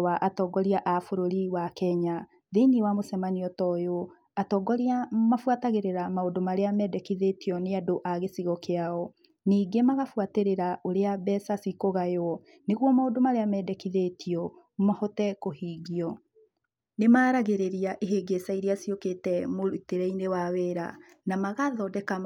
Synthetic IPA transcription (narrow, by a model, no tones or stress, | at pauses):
waʔatɔːɡɔɾiaʔafoɾoɾiwakɛɲa | ðeniwamosɛmaniɔtɔjo | atɔːɡɔɾiamafwataɣeɾeɾamaodomaɾeamɛdɛkiðetiɔneadoʔaɣesiɣɔkeaɔ | niːɡemaɣafuateɾeɾaʔoɾeabɛsasikoɣajɔ | neɣwɔmaodomaɾeamɛdɛkiðetiɔ | mɔhɔtɛkohiːɣiɔ | nemaːɾaɣeɾeɾiaʔeɦeɡesaiɾeasioketɛmoɾuteɾɛinewaweɾa̰ | namaɣaðɔdɛka